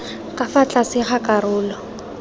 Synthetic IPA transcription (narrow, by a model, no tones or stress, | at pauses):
kʼafat͡ɬʼasɪχakarʊːlɔ